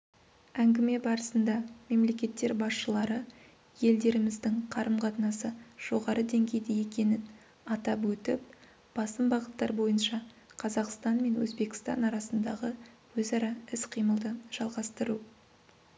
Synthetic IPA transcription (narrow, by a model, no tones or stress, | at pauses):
æŋɡʲɪme̞bɑɾəsənd̪ɑme̞mle̞kʲe̞t̪ːe̞ɾbɑsʃəlˠɑɾə | je̞ld̪e̞ɾɪmɪzd̪ɪŋqʰɑɾəmqʰɑt̪ənɑsəʒ̥o̞ʁɑɾəd̪e̞ŋɡʲe̞jd̪eje̞kʲe̞nɪn | ɑt̪ɑpwɵt̪ɪp̚ | b̥ɑsəmbɑʁət̪ːɑɾbo̞jənʃɑ | qʰɑzɑqst̪ɑnme̞nwɵ̰zbe̞kʲɪ̥st̪ɑ̰nɑɾɑsənd̪ɑʁə | wɵzɑɾɑɪsqʰijməlˠd̪əʒ̥ɑlˠʁɑst̪əɾu